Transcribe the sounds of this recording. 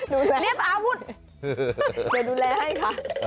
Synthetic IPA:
duː˧lɛː˧li˥˩əp̚ʔaː˧wu˦˥t̪̚ | daː˧˩duː˧lɛː˧ha˥˩jkʰa˦˥˩ʔ

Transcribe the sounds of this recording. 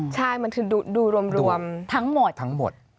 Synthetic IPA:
t͡ɕʰa˥˩jma˧nkʰɯː˧˩duː˧duː˧˩ɾu˧əmɾu˧əmt̪ʰa˦˥ŋmo˨˩t̪ʰa˦˥ŋmo̰˨˩t̪̚

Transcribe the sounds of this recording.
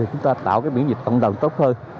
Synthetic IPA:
i˨˩t͡ɕʊ˨˦ŋ͡mt̪aː˧t̪a̰ː˧˨wkaː˨˦jɓḭ˧˥nzi˨˩t̟̚kə̰˧˨ŋ͡mɗə˨˩wŋ͡mt̪o˦˥t̚həː˧n

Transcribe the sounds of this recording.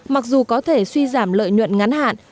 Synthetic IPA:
ma˨˩k̚zu˨˩kɔ˨˦t̪ʰe˧˩swi˧zaː˧˩mlə̰ː˧˨jɲwə̰˧˨nŋa˨˦nha̰ː˧˨n

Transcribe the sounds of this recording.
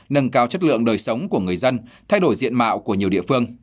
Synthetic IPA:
nə˧nkaː˧wt͡ɕə˦˥t̚lɨ̰˧˨əŋɗəː˨˩jsə˨˦wŋ͡mku˧˩əŋɨ˨˩əjzə˧nt̪ʰa˧jɗo˧˩jzḭ˧˨ənma̰ː˧˨wku˧˩əɲi˨˩əɗḭ˧˨əfɨ˧əŋ

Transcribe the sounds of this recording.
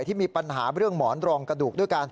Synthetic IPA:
j̪ʰiː˥˩miː˧pa˧nɦaː˩˦ɾɯ˥˩əŋmɔː˩˦nɾɔː˧ŋkɾa˧duː˨˩k̚du˥˩jkaː˧n

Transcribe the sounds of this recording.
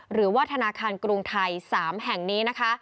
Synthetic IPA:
ɾɯː˩˦waː˥˩t̪ʰa˧naː˧kʰaː˧nkɾu˧ŋt̪ʰa˧jsaː˩˦mɦɛ˨˩ŋniː˦˥na˦˥kʰa˦˥

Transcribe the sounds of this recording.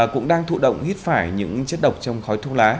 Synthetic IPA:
kʊ̰˧˥ŋ͡mɗaː˧ŋt̪ʰṵ˧˨ɗə̰˧˨wŋ͡mhi˦˥t̚faː˧˩jɲɨ̰˧˥ŋt͡ɕə˦˥t̚ɗə˨˩wk͡p̚t͡ɕɔ˧wŋ͡mxɔ˨˦jt̪ʰu˧laː˨˦

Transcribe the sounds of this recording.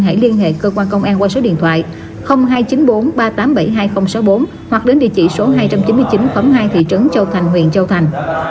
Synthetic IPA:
ɦa̰ː˧˩li˧ənɦḛ˧˨kəː˧kwaː˧nkə˧wŋ͡mʔaː˧nkwaː˧so˨˦ɗḭ˧˨ənt̪ʰwa̰ː˧˨j | xə˧wŋ͡mɦaː˧jt͡ɕi˨˦nɓo˨˦nɓaː˧t̪aː˨˦mɓə˧˩jɦaː˧jxə˧wŋ͡msa˨˦wɓo˨˦n | hwa˨˩k̚ɗe˨˦nɗḭ˧˨ət͡ɕḭ˧˨so˨˦ɦaː˧jt͡ɕa˧mt͡ɕi˨˦nmɨ˧əjt͡ɕi˨˦nxə˨˦wɦaː˧jt̪ʰḭ˧˨t͡ɕɨ˨˦ŋt͡ɕə˧˩wt̪ʰa˨˩jŋ̟hw̰ənt͡ɕə˧wt̪ʰa˨˩jŋ̟

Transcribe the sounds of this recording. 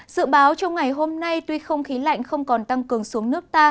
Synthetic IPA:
zɨ̰˧˨ɓaː˨˦wt͡ɕɔ˧wŋ͡mŋa˨˩jɦo˧mna˧jt̪wi˧xə˧wŋ͡mxi˨˦la̰˧˨jŋ̟xə˧wŋ͡mkɔ˨˩nt̪a˧ŋkɨ˨˩əŋsu˨˦əŋnɨ˦˥ək̚t̪aː˧

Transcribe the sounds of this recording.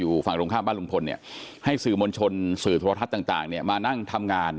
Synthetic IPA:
juː˨˩fa˨˩ŋkɾoː˧ŋkʰaː˥˩baː˥˩lu˧ŋpʰo˧nːi˥˩ɐha˥˩jsɯː˨˩mo˧nt͡ɕʰo˧nsɯː˨˩t̪ʰu˧a˧a˦˥t̪ːaː˨˩ŋt̪a̰ː˨˩ŋni˥˩ɐmaː˧na˥˩ŋt̪ʰa˧mŋaː˧n

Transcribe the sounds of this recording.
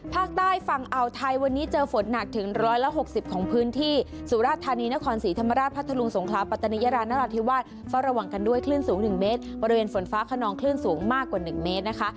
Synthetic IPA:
pʰaː˥˩k̚t̪aː˥˩jfa˨˩ŋʔa˨˩wt̪ʰa˧jwa˧nːiː˦˥t͡ɕɤː˧fo˩˦nːa˨˩k̚t̪ʰɯ˨˩˦ŋɾɔː˦˥jla˦˥ɦo˨˩k̚si˨˩p̚kʰɔː˩˦ŋpʰɯː˦˥nt̪ʰiː˥˩su˨˩˦ɾaː˥˩t̪ʰːaː˧niː˧na˦˥kʰɔː˧nsiː˩˦t̪ʰa˧mːa˧ɾaː˥˩t̪̚pʰt̪ʰːa˧lu˧ŋso˩˦ŋkʰlaː˦˥pa˨˩t̪ʰːa˧ni˦˥jaː˧ɾaː˧nːa˦˥la˨˧˩t̪ʰːi˦˥waː˥˩t̪̚ | faː˦˥˩wɾa˧wa˨˩ŋka˧ndu˥˩əjkʰlɯː˥˩nsuː˩˦ŋnɯ˨˩ŋmeː˦˥t̪̚bɔ˧ɾi˧weː˧nfo˩˦nfaː˦˥kʰa˧nɔː˧ŋkʰlɯː˥˩nsuː˩˦ŋmaː˥˩kːwaː˨˩nɯ˨˩ŋmeː˦˥t̪̚na˦˥kʰa˦˥ʔ

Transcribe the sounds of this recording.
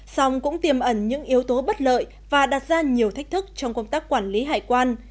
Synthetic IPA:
sa˧wŋ͡mkʊ̰˧˥ŋ͡mt̪i˨˩əmʔə˧˩nɲɨ̰˧˥ŋʔi˨˦əwt̪o˨˦ɓə˦˥t̚lə̰ː˧˨j | vaː˨˩ɗaː˨˩t̚zaː˧ɲi˨˩əwt̪ʰa˦˥jk̚t̪ʰɨ˦˥k̚t͡ɕɔ˧wŋ͡mkə˧wŋ͡mt̪aː˦˥k̚kwaː˧˩nli˨˦ɦaː˧˩jkwaː˧n

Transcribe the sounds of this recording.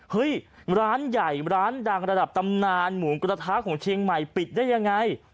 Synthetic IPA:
hɤ˦˥jɾaː˦˥nja˨˩jɾaː˦˥ndaː˧ŋɾa˧da˨˩p̚t̪a˧mnaː˧nmuː˩˦nkɾaː˧t̪ʰaː˦˥kʰɔː˩˦ŋt͡ɕʰi˧əŋma˨˩jpi˨˩t̪̚daː˥˩ja˧ŋːa˧j

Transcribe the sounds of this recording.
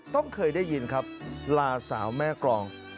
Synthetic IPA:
t̪ɔ˥˩ŋkʰɤː˧jdaː˥˩jːi˧nkʰa˦˥p̚laː˧sa̰ː˩˦wmɛː˥˩klɔː˧ŋ

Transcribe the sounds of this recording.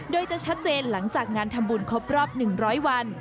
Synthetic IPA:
doː˧jt͡ɕa˨˩ʔt͡ɕʰa˦˥t̪̚t͡ɕeː˧nla˩˦ŋt͡ɕaː˨˩k̚ŋaː˧nt̪ʰa˧mbuː˧nkʰo˦˥p̚ɾɔː˥˩p̚nɯ˨˩ŋɾɔː˦˥jwa˧n

